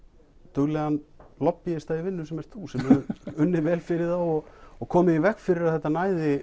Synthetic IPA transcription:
t̪ʏɣlɛɣanlɔpːiɪst̪aðivɪnːʏsɛmɛɾ̥t̪θusɛmɛʏʏnːɪvɛːlfɪɾɪðawɔɣɔɣkʰɔːmɪivɛhkfɪɾɪɾaðθɛht̪anaːjðɪ

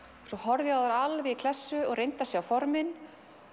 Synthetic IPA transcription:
sɔhɔɾðjaaɾalvɪikʰl̥ɛsːʏɔɣrejnt̪asjɛɣawfɔɾmɪn

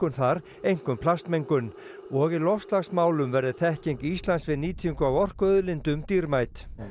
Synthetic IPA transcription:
kʏnθaɾ | ejŋ̥kʏmpʰlast̪mejŋkʏn | ɔɣɪlɔfst̪laɣsmaːwlʏmvɛɾðɪθɛhcejŋkist̪lansvɪðniːt̪ʰiŋkʏawɔr̥kœðlɪnt̪ʏmt̪iɾmajt̪

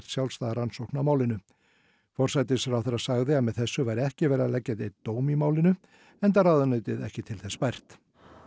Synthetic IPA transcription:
r̥t̪sjawlst̪aːðaɾansowhknamaːwlɪnʏ | fɔr̥sajt̪ɪsfɾawθɛɾasaɣðɪaðmɛðθɛsːʏvajɾɪɛhcɪvɛːɾalɛcːaðejt̪t̪ːoːwmimaːwlɪnʏ | ɛnt̪̬arawðʏnœɥt̪ɪðɛ̰hcɪt̪ʰɪlθɛspajr̥t̪

